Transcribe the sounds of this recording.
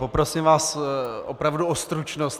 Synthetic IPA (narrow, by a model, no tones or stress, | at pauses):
popɾo̞simvaːsʔopɾavduost̪ɾut͡ʃnost̪